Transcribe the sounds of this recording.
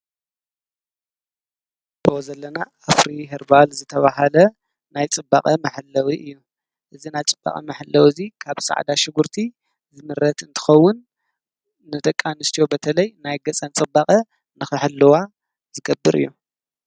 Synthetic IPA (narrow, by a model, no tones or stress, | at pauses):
b̥ɨozɐlːɐnaʔːfɾiɦɨɾbalzɨt̪ʰɐβaɦalɐ | najt͡sʼɨba̰kʼɐmɐħɨlːɐwiʔɨjːu | ʔɨzinajt͡sʼɨbːa̰χʼɐ̰mɐħɨlːɐwzikʰaβsa̰ʕd̪aʃɪɡuɾt̪ʰi | zɨmɨɾɐt̪ɨnt̪ʰɨ̥xɐwːʊnː | ɨd̪ɐkʼːanɨst̪ʰijo̞bɐt̪ʰɐlɐjnajɡɐt͡sʼɐnt͡sʼɨbːakʼɐ | nɨxɨħɨlːɨwa | zɨɡɐbːɨɾʔɨ̰jːu